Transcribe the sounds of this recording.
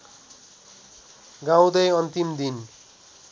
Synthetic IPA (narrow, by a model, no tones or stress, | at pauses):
ɡãw̃d̪ʌjʌnt̪imd̪in